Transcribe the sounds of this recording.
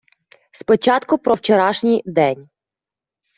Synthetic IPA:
spɔt͡ʃɑt̪kʊpɾɔwt͡ʃɔɾɑʃnʲijd̪ɛnʲ

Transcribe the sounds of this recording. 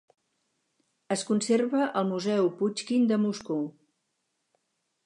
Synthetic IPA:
əskunserβəʔəlˠmuzɛwput͡ʃkind̪əmusku

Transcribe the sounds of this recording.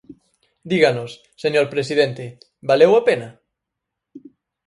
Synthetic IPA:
d̪iɣanosːeɲoɾpɾesiðent̪ɪ | balewapenɐ

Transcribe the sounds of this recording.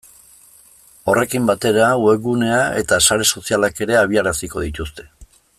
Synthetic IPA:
o̞re̞kimbat̪e̞ɾawe̞ɣune̞ae̞̰t̪asaɾe̞so̞sialake̞ɾe̞aβ̞iaɾasiko̞ðit̪ust̪e̞̥

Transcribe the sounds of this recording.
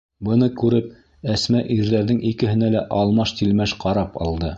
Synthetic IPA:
bɤ̆nɤkʉɾɘp̚ | æsmæʔiɾðæɾðɘŋikɘ̆hɘ̆nælæʔɑlˠmɑʃt̪ilmæʃqʰɑɾɑpɑ̰lˠd̪ɤ

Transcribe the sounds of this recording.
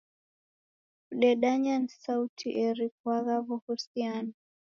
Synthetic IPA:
uɗɛɗaɲanisautʰiʔɛɾik̚waɣaβuhusiana

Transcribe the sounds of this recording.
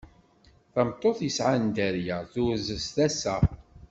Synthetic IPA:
θɑmt̪ˤːoθjəsʕand̪æɾjæθʊɾzəst̪æsæ

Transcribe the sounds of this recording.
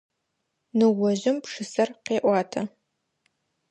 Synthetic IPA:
nɨwɔʑɪmpʂɨsɐrqeːʔʷɑːtʰɐ

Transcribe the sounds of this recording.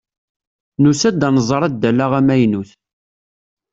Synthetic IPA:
nusæd̪ːænəzˤɾˤæd̪ːælːæʁæmæjnuθ

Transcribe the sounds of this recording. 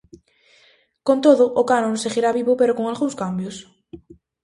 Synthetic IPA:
kont̪oðʊʔokanõnseɣiɾaβiβʊpeɾokoŋalɣuŋskambjos

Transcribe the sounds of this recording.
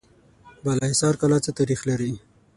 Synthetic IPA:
balaisɑɾkalat͡sət̪aɾixlaɾi

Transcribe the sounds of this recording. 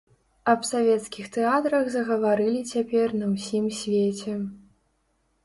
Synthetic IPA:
ɐpsavʲɛt̪skʲixt̪ɛat̪ɾɐɣzɐɣɐvaɾɨlʲit͡sʲapʲɛrnɐwsʲimsʲvʲet͡sʲɛ

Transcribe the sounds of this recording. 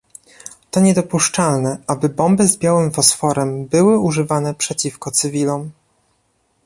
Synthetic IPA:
t̪ɔɲɛd̪ɔpuʂt͡ʂalnɛʔabɘbɔmbɘzbjawɘmfɔsfɔɾɛmbɘwɘuʐɘvanɛpʂɛt͡ɕifkɔt̪sɘvʲilɔm

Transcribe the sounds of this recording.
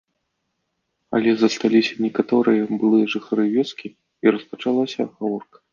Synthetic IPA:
ɐ̰lʲɛzɐst̪alʲisʲɐnʲɛkat̪ɔɾɨjɐbɨlˠɨjɐʐɨxaɾɨvʲɛskʲi | iɾɐspɐt͡ʂalˠasʲɐ̰ɣavɔrkɐ̥

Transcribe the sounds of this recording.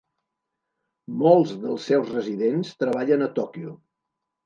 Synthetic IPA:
molˠzðəlˠsːɛwzrəziðenst̪ɾəβ̞aʎənət̪ɔkiu

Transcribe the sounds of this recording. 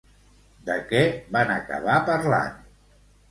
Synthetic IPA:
d̪əkɛβanəkə̰βapəɾla̰n

